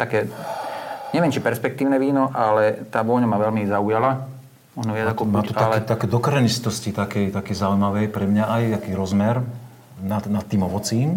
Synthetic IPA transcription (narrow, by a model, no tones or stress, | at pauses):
t̪akɛː | ɲɛʋɪjɛmt͡ʃipɛɾspɛk̚t̪iːʊnɛʋiːnɔʔalɛt̪aːʋɔɲamaːʋɛlmizaujala | mɔʒnɔʋɪad͡zakɔmaːt̪uakɛt̪akɛːd̪ɔkɾɛnist̪ɔscit̪akɛjt̪akɛjzaujmaʋɛjpɾɛmɲaajt̪akiːɾɔzmɛɾ | nanat̪̚ːiːmɔʋɔt͡siːm